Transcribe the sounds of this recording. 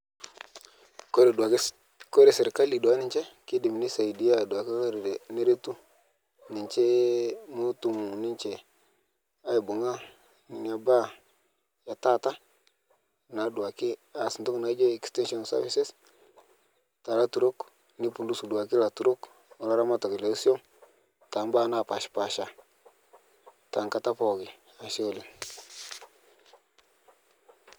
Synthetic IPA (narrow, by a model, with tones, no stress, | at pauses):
ko˦ɾe˨da˨˦ | ko˦ɾe˨sɪ˨ɾka˦li˨dwa˨˦nɪ˨ɲt͡ʃɛ˦kɪ˦dɪ˨mni˦sa˨i˨di˨˦a˦˨dwa˨ki˦ko˦ɾe˨de˨ne˦ɾe˦tu˦ | ni˨ɲt͡ʃe˦mu˦tu˨mu˨nɪ˦nt͡ʃe˨ | a˦i˨bu˨ŋa˦ | n˨na˨ba˦ | ja˨ta˦˨ta˦ | na˨du˨a˨kɪ˦a˨si˨ntu˦kna˨˦d͡ʒe˦ɛ˨kstɛ˦nʃɔ˨nsa̰˦vi˦se˦s | ta˨la˦tu˨ɾo˦k | ni˦pu˨ndu˦su˨du˨a˨ki˦la˨tu˨ɾo˦k | o˨la˦ɾa˦ma˦ta˨kla˨˦si˦o˦n | ta˨m˦ba˦na˦˨pa˨ʃpa˨ʃa˨ | ta˨ŋka˦ta˦pɔ˨ɡɪ˨ | a˨ʃo˦˨li˨